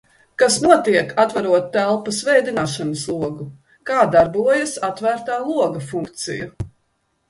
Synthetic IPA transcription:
kasnuɔt̪iɛkʰat̪vaɾuɔt̪ːælˠpɐsvɛjd̪inaːʃanəslˠuɔɡu | kaːd̪aɾbuɔjasat̪væːɾt̪aːlˠuɔɡɐfuŋkt̪sḭju

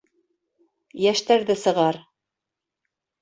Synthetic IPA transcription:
jæʃt̪æɾðɘsɤ̆ʁɑɾ

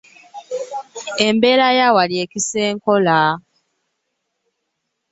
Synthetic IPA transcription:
e̞mbe̞ːɾajawalie̞cise̞ːŋko̞la

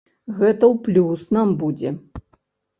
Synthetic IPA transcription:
ɣɛt̪ɐwplʲusnambud͡zʲɛ

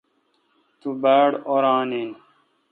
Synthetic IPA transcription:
t̪ubaːɽoɾãːnin

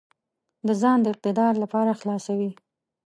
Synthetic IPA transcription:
d̪əzɑnd̪əɪq̚t̪ɪd̪ɑɾlapɑɾaxlɑsawi

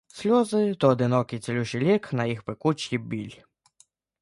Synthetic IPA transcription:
sʲlʲɔzɪt̪ɔːd̪ɪnɔkɪjt̪sʲelʲuʃɪlʲɪknɐjixpekut͡ʃkʲibʲilʲ

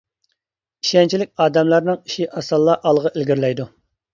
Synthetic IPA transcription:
iʃɛnt͡ʃʰilɪk̚ʲɑːd̪ɛmlˠɑɾnɨŋiʃiʔɑsɑlˠːɑʔɑlˠəʁɑʔelɡʲiɾlɛjd̪u

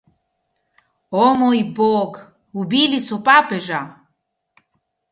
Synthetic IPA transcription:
ɔmɔjbɔɡ | ubilisupʼapɛʒa

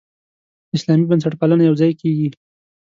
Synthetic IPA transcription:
ɪslɑmibəns̬aʈ̚palənajawzɑjkʰeɡi

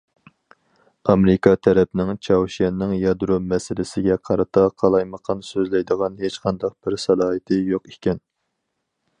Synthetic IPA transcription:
ɑmɾɪkɑt̪ʰɛɾɛpnɪŋt͡ʃʰɑwʃɛnːɪŋjɑd̪ɾumɛsɪlɪsɪɡʲɛqʰɑɾɨt̪ʰɑqʰɑlˠɑjməqʰɑnsøzlɛjd̪əʁɑnhet͡ʃqʰɑnd̪ɑq̚b̥ɪɾsɑlˠɑːɦɨt̪ʰɪjoqekʲɛn

